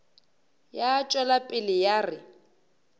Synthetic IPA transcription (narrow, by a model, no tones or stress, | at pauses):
jaːt͡ʃʼwɛlapʼɪlɪjarɪ